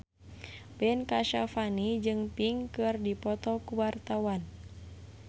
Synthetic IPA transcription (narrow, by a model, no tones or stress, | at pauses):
bɛnkaʃafanid͡ʒɨŋpiŋkɨrdipɔt̪ɔkuwart̪awan